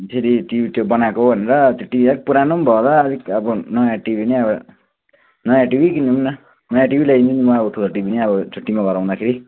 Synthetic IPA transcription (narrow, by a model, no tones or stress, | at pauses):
seɾiʈibit̪jobʌnakoɦbʱʌneɾʌt̪oʈibʱiʌik̚puɾanombʱʌd̪ʌːd̪ikʌbʌnʌjãʈibʱineʌbʌ | nʌjãʈibʱikinʰumnʌ | nʌjãʈibʱilaint̪ʰinimʌabʌtʰud̪oʈibʱineʌbʌt̪ʰoʈimaɡʌɾaw̃d̪akʰeɾi